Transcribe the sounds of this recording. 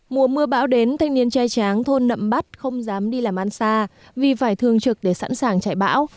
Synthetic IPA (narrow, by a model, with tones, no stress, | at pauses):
mu˨˩əmɨ˧əɓa̰ː˧˥wɗe˨˦nt̪ʰa˧jŋ̟ni˧ənt͡ɕaː˧jt͡ɕaː˨˦ŋt̪ʰo˧nːə̰˧˨mɓa˦˥t̚xə˧wŋ͡mzaː˨˦mɗi˧laː˨˩mʔa˧nsaː˧ | vi˨˩faː˧˩jt̪ʰɨ˨˩əŋt͡ɕɨ˨˩k̚ɗe˧˩sa̰˧˥nsaː˨˩ŋt͡ɕa̰ː˧˩jɓa̰ː˧˥w